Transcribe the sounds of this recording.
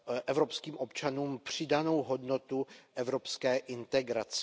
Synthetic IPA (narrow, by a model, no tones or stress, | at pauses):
ʔɛvɾopskiːmʔo̞pt͡ʃanuːmpr̝̥ɪdano̞wɦo̞dno̞t̪uʔɛvɾo̞pskɛːʔɪnt̪ɛɡɾat͡s